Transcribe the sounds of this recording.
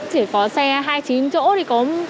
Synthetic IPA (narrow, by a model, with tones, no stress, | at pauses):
t͡ɕʰi˧˩kɔ˨˦sɛ˧ɦaː˧jt͡ɕi˨˦nt͡ɕo̰˧˥t̪ʰi˨˩kɔ˨˦